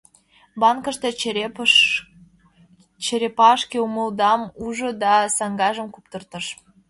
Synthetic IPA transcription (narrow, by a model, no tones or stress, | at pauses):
bɑnkə̆ʃt̪e | t͡ɕeɾepɑʃkeuməld̪ɑmuʒŏd̪ɑsɑŋɡɑʒə̆mkup̚t̪ərt̪ɤ̆ʃ